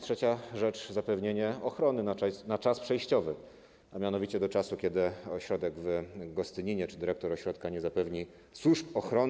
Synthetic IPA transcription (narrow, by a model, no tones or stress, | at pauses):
tʂɛt͡ɕaʐɛt͡ʂzapɛvɲeɲɛɔxɾɔnɘnaanat͡ʂaspʂɛjɕt͡ɕɔvɘ | amʲjanɔvʲit͡ɕɛd̪ɔt͡ʂasukʲɛd̪ɘɔɕɾɔd̪ɛɡvɡɔst̪ɘɲiɲɛt͡ʂɘd̪ɘɾɛk̚t̪ɔɾɔɕɾɔt̪kaɲɛzapɛvɲi | swuʂpɔxɾɔn